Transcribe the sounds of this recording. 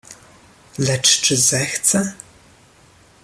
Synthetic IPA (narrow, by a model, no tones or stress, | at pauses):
ɮɐʈ͡ʂʰʈ͡ʂʰʼɨzɐxt͡sʰʼɐ